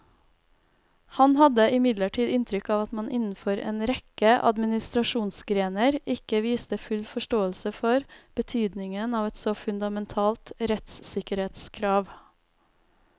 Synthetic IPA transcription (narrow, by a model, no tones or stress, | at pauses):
hɑnhɑd̪əʔɪmɪd̪ləʈʰiːd̪ɪnt̪ʰɾʏkɑːʋɑt̪mɑnʔɪnn̩fɔɾḛːnɾɛkəʔɑ̰d̪mɪnɪst̪ɾɑʃuːnsɡɾeːnəɾɪkəʋiːst̪əfʉlfɔʃʈoːəlsəfɔɾb̥ət̪ʰyːd̪nɪŋənɑːʋɛt̪sɔfʉnd̪ɑmɛnt̪ʰɑːlt̪ɾɛt̪ssɪkəɾheːt̪skʰɾɑːʋ